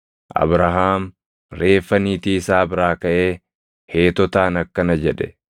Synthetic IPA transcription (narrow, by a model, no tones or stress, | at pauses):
ʔɐ̰bɾɐɦaːm | ɾe̞ːfːɐniːt̪iːɪsaːbɪɾaːkɐʔeː | he̞ːt̪ɔt̪aːnɐkːɐnɐd͡ʒɛᶑɛ